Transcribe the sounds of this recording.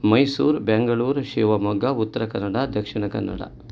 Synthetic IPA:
mɐjsuːɾbeŋɡɐɭuːɾʃiːʋɐmɐɡːɐut̪ːɐɾɐkɐnːɐɽad̪ʱɐkʂiɳɐkɐ̰nːɐ̰ɽɐ̰

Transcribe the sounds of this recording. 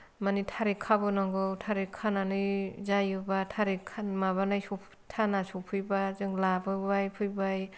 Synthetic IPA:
manitʰaɾikʰabɯnaŋɡɯwtʰaɾikʰːananɯjzajɯbatʰaɾikʰamaβanajsupʰ | tʰanasupʰɯjbazɯŋlabɯbajpʰɯjbaj

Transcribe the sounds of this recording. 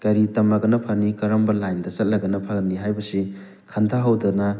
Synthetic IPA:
kɐɾitɐmɐɡɐnɐpʰɐnikɐɾɐmbɐlajndɐsɐt̚lɐɡɐnɐpʰaɡɐnːiɦajbɐsi | kʰantʰaɦɐwdɐnɐ

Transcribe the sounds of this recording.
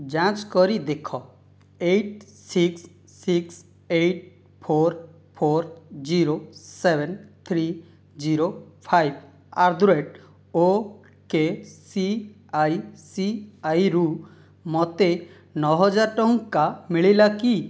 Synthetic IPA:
d͡ʒãt͡ʃkɔɾid̪ekʰɔ | eʈ̚siksː | iks | eʈ̚ | pʰoɾ | pʰoɾd͡ʒiɾosebɛnt̪ʰɾi | d͡ʒiɾopʰajb | aɾd̪uɾeʈ | o | kesi | ajsiajɾu | mɔt̪e | nɔɦɔd͡ʒaɾʈɔŋkkamiɭilaki

